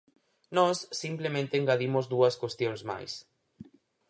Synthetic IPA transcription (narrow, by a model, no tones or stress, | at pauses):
nɔsːimplemẽnt̪eːŋɡaðimʊzðuɐskwest̪joŋszma̰js